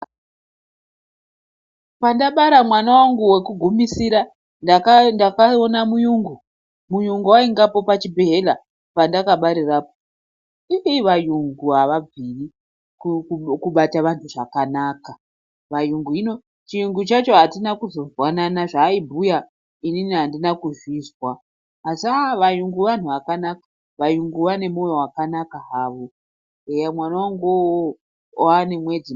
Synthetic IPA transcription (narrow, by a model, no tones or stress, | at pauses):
pandaɓaɾamwanawaŋɡuwe̞kuɡʱumisiɾa | nakndakaonamujuŋɡu | mujuŋɡuwaiŋɡapo̞pat͡ʃibʱeɦela | pandakaɓaɾiraːpo | iʔeiʋajuŋɡuɦaʋab͡viri | kkuɓataʋantʰuʐakanaːka | ʋajuŋɡuino̞ | t͡ʃijuŋɡut͡ʃat͡ʃo̞ɦatinakuzo̞vwananaʐaibʱuja | ininiɦandinakuzizwaː | saʋajuŋɡuʋan̤uʋakanakḁ | ʋajuŋɡuʋane̞mojowakanakaɦaːʋo | emwanawaŋɡo | wane̞mwe̞d͡zi